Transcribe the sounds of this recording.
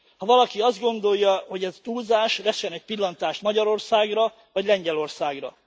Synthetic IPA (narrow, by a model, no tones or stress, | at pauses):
hɒvɒlɒkiɒzd̪ɡo̞nd̪o̞jːɒho̞ɟɛzt̪uːzaːʃvɛʃɛnɛc̚pilːɒnt̪aːʃt̪mɒɟɒɾo̞rsaːɡrɒ | vɒɟlɛɲɟɛlo̞rsaːɡrɒ̰